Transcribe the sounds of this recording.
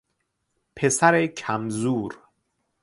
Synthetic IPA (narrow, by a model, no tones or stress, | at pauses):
pʰe̞sæɾekʰæmzuːɾ